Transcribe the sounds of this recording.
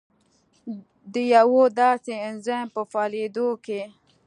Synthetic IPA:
d̪əjawod̪ɑseɪnzampəfɑled̪oke

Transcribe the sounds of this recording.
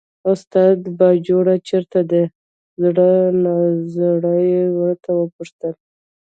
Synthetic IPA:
ʊst̪ɑd̪bɑd͡ʒoɽat͡ʃeɾt̪ad̪ə | zɽənazɽəjwəɾt̪awəpʊʂt̪əl

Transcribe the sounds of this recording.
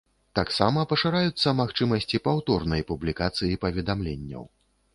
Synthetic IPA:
t̪aksamɐpɐʂaɾajut̪sːɐmaxt͡ʂɨmɐsʲt͡sʲipawt̪ɔrnɐjpublʲikat̪sɨjipɐvʲɛd̪amlʲenʲːɐ̰w

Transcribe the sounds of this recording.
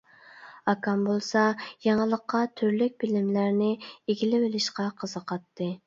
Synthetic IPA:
ɑkʰɑmbolˠsɑjɑŋəlˠəqʰːɑt̪ʰyɾlyk̚ʲb̥ɪlɪmlæɾnɪeɡʲilɪwɪlɪʃqɑqʰəz̥əqʰɑt̪ːɨ

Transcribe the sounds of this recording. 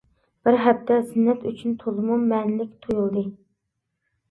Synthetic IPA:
b̥ɪɾɦɛp̚t̪ʰɛzɪnːɛt̪yt͡ʃʰynt̪ʰolˠɨmumːɛnlɪk̚ʲt̪ʰojulˠd̪ɨ

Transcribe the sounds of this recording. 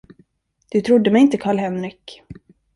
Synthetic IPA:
d̪̥ɵt̪ʰɾʊd̪ːəmɛjɪnt̪əkʰɑːɭɦɛnɾɪk

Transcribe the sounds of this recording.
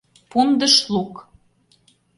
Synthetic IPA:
pund̪ə̆ʃluk

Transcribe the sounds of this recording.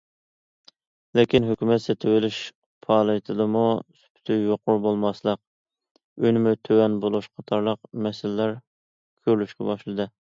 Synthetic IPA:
lekʲinɦøkʲymɛt̪set̪ʰɪwɪlyʃ | pʰɑːlˠɨjt̪ʰɨd̪ɨmusy̥pʰy̥t̪ʰyjoqʊɾbolˠmɑslˠəq̚ | yjnɪmʊt̪ʰøwɛnbolˠuʃqʰɑt̪ʰɑɾlˠəqmɛsɪlːæɾ | kʲʰøɾlyʃkʲɛbɑʃlˠɨd̪ɨ

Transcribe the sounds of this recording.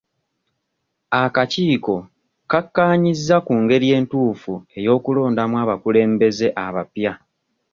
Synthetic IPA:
akaciːko̞ | kakːaːɲizːakuːŋɡe̞ɾje̞ːntuːfue̞jo̞ːkulo̞ːndamwaːβakule̞ːmbe̞ze̞ʔaβapja

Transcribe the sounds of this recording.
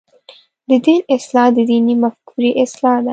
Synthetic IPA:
d̪əd̪iːnɪslɑd̪əd̪inimafkʰuɾiʔɪslɑd̪a

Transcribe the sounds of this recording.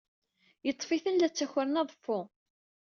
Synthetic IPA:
jət̪ˤːfiθənlæt͡sːæçəɾənɑðˤfːʊ

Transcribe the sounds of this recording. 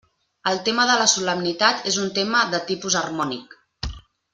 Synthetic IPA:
əlˠt̪eməðələsuləmnit̪at̪ezunt̪eməðət̪ipuzərmɔnik

